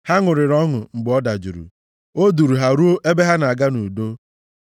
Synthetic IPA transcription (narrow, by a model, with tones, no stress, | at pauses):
ha˦ŋʊ˨ɾɪ˨ɾɔ˦ŋʊ˨ŋ͡m̩˨ɡ͡bɔ˦da˨d͡ʒu˨ɾṵ˨ | o˦du˨ɾu˨ɦa˨ɾu˦o˦ʔe˦be˦ɦa˦na˨a˨ɡa˦nu˨do˦